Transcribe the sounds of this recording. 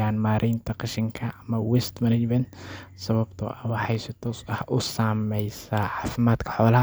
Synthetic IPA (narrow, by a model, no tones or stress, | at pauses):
aːnmaːɾʔɪjnt̪ʰɐqɪʃɪŋkʰɐʔɐmɐwɛst̪mɐnɐd͡ʒmɐnt̪sɐβɐbt̪ʰʊ̰ʔɐwɑħɑjsɪt̪ʰɔːsɐhʔʊsaːmɛjsaːʕɑːfɪmaːd̪kʰɐ̥ħɔːlɐɦ